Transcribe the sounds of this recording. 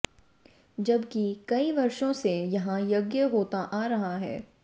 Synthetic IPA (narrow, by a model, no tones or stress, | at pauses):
d͡ʒɐbkikɐiʋɐɾʃõsejɐɦãjɐɡjəɦoːt̪aʔaːɾɐɦaɦɛ̰ː